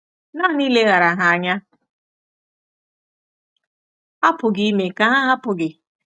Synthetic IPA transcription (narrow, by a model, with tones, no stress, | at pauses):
na˦ni˦le˦ɣa˨ɾa˨ɦa˨a˨ɲa˦ | a˦pʊ˨ɡi˦me˨ka˨ɦa˦ɦa˦pʊ˨ɡɪ˨